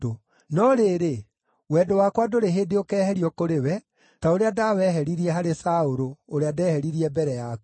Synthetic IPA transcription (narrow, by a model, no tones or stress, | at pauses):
o | nɔɾeːɾe | wɛːdowakwadoɾeɦedeokɛːhɛɾiɔkoɾewɛ | taoɾeadawɛɦɛɾiɾiɛɦaɾesaoɾoːɾeadɛːhɛɾiɾiɛbɛɾɛjak